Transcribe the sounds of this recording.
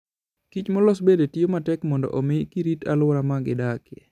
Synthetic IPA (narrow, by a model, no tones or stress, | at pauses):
kit͡ʃmɔlɔsbedetiomatɛkmɔndɔ̰ʔomɪkiɾitʰalʊɾamaɡɪ̰dakɪɛ̰